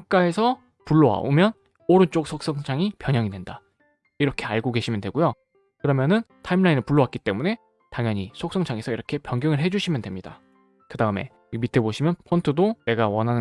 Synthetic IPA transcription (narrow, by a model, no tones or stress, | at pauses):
k̚k͈ae̞sʰʌ | puɭːowa̰o̰mjʌn | oɾɯnt͡ɕ͈ok̚s͈ʰok̚s͈ʌŋt͡ɕʰaŋipjʌɲʌŋidwe̞nda | iɾʌkʰe̞aɭɡoɡe̞ɕʰimjʌndwe̞ɡojo | kɯɾʌmjʌnɯntʰaimɭainɯɭpuɭːowak͈it͈e̞mune̞ | taŋjʌɲisʰok̚s͈ʌŋt͡ɕʰaŋe̞sʰʌiɾʌkʰe̞pjʌŋɡjʌŋɯɭɦe̞d͡ʑuɕʰimjʌndwe̞mɲida̰ | kɯdaɯme̞̰ | mitʰe̞boɕʰimjʌnpʰontʰɯdone̞ɡawʌnɦanɯ